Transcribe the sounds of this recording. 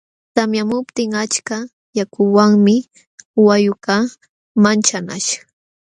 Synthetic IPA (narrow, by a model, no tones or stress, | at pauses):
t̪amjamʊpt̪ɪŋat͡ʃka | jakʰʊwaŋmɪ | wajʊka | mant͡ʃanaʃḁ